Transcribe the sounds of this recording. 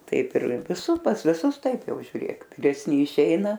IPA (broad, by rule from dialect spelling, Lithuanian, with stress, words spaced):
ˈtɐɪp ɪr ʋʲɪˈsuː pɐs ʋʲɪˈsʊs ˈtɐɪp ˈjɛʊ ʒʲʊˈrʲeːk ʋʲɪrʲɛsʲˈnʲɪ ɪˈʃʲɛɪnɐ